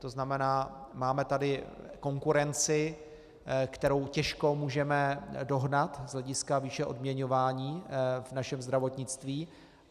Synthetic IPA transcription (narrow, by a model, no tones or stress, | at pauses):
t̪o̞znamɛnaːmaːmɛt̪adɪko̞ŋkuɾɛnt͡sɪ | kt̪ɛɾo̞wcɛʃko̞muːʒɛmɛdo̞ɦnat̪zɦlɛɟɪskaviːʃɛʔo̞dmɲɛɲo̞vaːɲiːvnaʃɛmzd̪ɾavo̞t̪ɲɪt͡st̪viː